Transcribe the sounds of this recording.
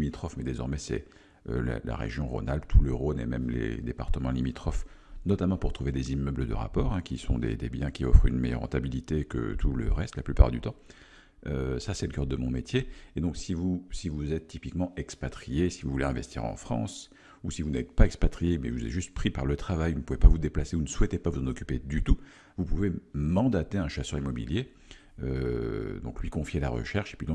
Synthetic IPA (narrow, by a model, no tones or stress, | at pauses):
imit̪χɔfmɛd̪ezɔʁmɛsɛ̰ | øla̰la̰ʁḛʒjɔ̃ʁo̰nalp̚t̪ʰuləʁonemɛmlḛd̪epaʁt̪əmɑ̃limit̪χɔfnɔt̪amɑ̃puʁt̪χuved̪ezimœbləd̪ə̰ʁa̰pɔːʁɛ̃kʲisɔ̰̃d̪ḛd̪ebjɛ̃kʲiɔfχynmɛjœʁːɑ̰̃t̪abilit̪ekə̰t̪ulə̰ʁɛst̪laplypa̰ʁd̪yt̪ɑ̃ | øsasɛləkœʁd̪əmɔ̃met̪ʰjeed̪ɔ̃ksivusivuzɛt̪ːipikmɑ̃ɛkspat̪χijesivuvuleɛ̃vɛst̪ʰḭʁɑ̰̃fχɑ̰̃s | usivunɛt̪paɛkspat̪χijemɛvuzɛ̰t̪ʒyst̪̚pχipaʁlət̪χavajunəpuvepavud̪eplaseunəswɛt̪epavuzɑ̃nɔkʲy̥ped̪yt̪u | vupuvemɑ̃d̪at̪eɛ̃ʃasœʁimɔbḭlje | ød̪ɔ̃klɥikɔ̃fjela̰ʁə̰ʃɛʁʃe̥pɥid̪ɔ̃k